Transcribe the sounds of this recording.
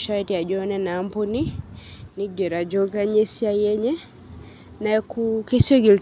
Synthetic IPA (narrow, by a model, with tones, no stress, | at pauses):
ʃati˨ja˨d͡ʒɔnɛnaː˨mpɔ˦ni˦ni˦ɡɛ˨ɾa˨d͡ʒɔɡa˦ɲɛ˦si˦ajɛ˦ɲɛ˦ | na˨ɛkukɛsi˦ɔ˦ɡi˨l